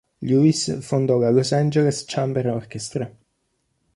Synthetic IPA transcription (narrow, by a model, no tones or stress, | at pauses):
ʎuisfond̪ɔɡalosand͡ʒelest͡ʃambeɾɔrk̟ɛst̪ɾe